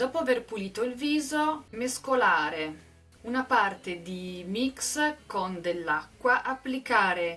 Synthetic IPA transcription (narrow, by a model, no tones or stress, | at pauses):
d̪̥ɔːpoaverpuliːt̪oilviːzomeskolaːɾe | unapart̪ed̪imikskond̪elːakːwaʔapːlikaːɾe